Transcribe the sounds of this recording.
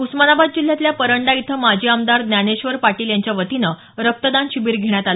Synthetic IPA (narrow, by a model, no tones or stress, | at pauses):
usmanabad̪̚d͡ʑil̤jat̪ljapəɾəɳɖait̪ʰəmad͡ʑʱiːamd̪aɾd̪njaneɕʋəɾpaʈiːljaɲt͡ɕjaʋət̪inə | ɾək̚t̪əd̪anɕibiːɾɡʱeɳjat̪al